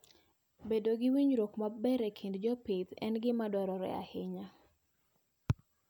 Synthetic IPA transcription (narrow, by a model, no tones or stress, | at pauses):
bedoɡɪwiɲɾokmabɛɾɛkʰindd͡ʒɔpɪt̪ɛnɡɪmadɔɾɔɾɛ̰a̰hɪɲa